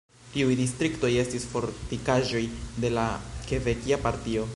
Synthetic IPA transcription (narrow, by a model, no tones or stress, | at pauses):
tiujdistɾikto̞je̞stisfo̞ɾtikaʒo̞jde̞lake̞vekiapaɾtio̞